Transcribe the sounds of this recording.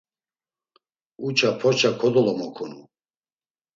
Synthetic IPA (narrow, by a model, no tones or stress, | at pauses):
ut͡ʃʰapʰɔt͡ʃʰakʰɔd̪ɔlɔmɔkʰɔnu